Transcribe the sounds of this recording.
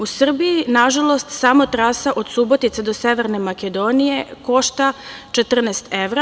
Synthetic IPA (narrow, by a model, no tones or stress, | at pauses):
usr̩bijinaʒalˠo̞st̪samot̪ɾaːsaʔo̞d̪subo̞t̪it̪sed̪o̞se̞ʋe̞ɾne̞maked̪o̞nije̞ko̞ʃt̪at͡ʃe̞t̪r̩nɛːst̪eʋɾa